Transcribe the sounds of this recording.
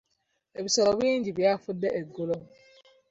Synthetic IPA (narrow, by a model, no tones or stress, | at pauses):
ebisɔɾɔbin̩d͡ʒibiafʊdɛʔeɡolom